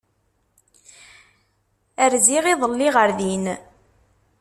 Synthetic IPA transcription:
əɾziʁiðˤəlːiʁəɾðin

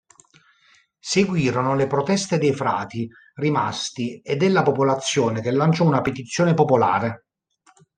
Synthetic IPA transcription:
seɡwiːɾonolepɾot̪ɛst̪ed̪ejfɾa̰ːt̪i | rimast̪ied̪elːapopolat̪sːjɔːnekelːant͡ʃɔunapet̪it̪sːjoːnepopola̰ːɾe

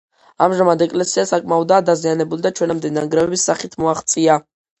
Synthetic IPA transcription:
a̰mʒamad̪ɛkʼlɛsiasakʼmaɔd̪aːd̪azianɛbulid̪at͡ʃʰwɛnamd̪ɛnaŋɡɾɛvɛbisːaχit̪ʰmuaχt̪sʼia

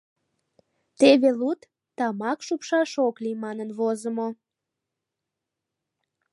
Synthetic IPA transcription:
t̪eβelut̪ː | ɑmɑkʃupʃɑʃoklimɑnənβozəmo

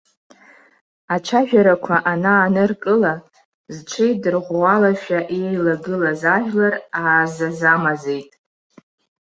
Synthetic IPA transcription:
at͡ʃʷʰaʒᶣaɾakʷʰaʔanaːnɨrkʼɨla | zʈ͡ʂʷʰejdɨrʁʷwalaʃᶣaʔejlaɡɨlazaʒᶣlaraːzazamaze̞jtʼ

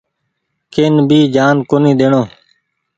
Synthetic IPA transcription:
keːnbʱiːd͡ʒaːnkoːnĩːɗ̪eːɳõː

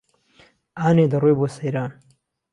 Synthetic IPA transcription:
aːneːd̪ɐrojbosɐjɾaːn

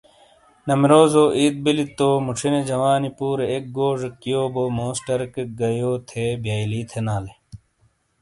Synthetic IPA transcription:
nɐmɾoːzoːʔiːd̪̚bilit̪oːmuʈ͡ʂʰined͡ʑɐwaːnipuːɾeek̚ɡoːʐekːijoːbomoːsʈɐɾkeɡɐjoːt̪ʰebjaːjliːt̪ʰenaːle

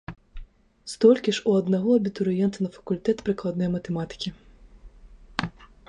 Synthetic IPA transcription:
st̪ɔlʲkʲiʂuɐd̪naɣɔɐbʲit̪uɾɨjɛnt̪ɐnɐfɐ̥kulʲt̪ɛt̪pɾɨklˠad̪nɔjɐmɐt̪ɛmat̪ɨ̥kʲi

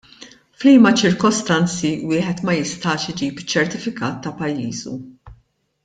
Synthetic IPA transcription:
fliːmɐt͡ʃɪɾkɔst̪ɐnt͡siwɪːħɛt̪mɐjɪst̪ɐːʃɪd͡ʒiːpt͡ʃːɛɾt̪ɪfɪkɐːt̪ːɐpɐjːiːzṵ

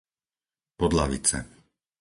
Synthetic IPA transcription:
pɔd̪laʋḭt͡sɛ̰

